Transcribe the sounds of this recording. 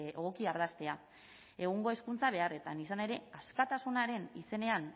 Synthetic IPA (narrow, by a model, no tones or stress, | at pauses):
oɣokiaɾð̞ast̪e̞a | e̞ɣ̞uŋɡo̞e̞skunt͡saβ̞e̞are̞t̪anisane̞ɾe̞askat̪asunaɾe̞nḭse̞ne̞an